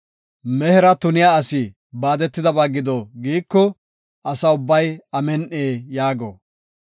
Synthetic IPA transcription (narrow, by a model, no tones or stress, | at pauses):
mɛhɛɾɐt̪ʊnɪjaɐsɪ | baːd̪ɛt̪ːɪd̪ɐbaːɡɪd̪oɡiːkːɔ | ʔɐsɐʊbːɐjɐmɛnʔeːjaːɡo̰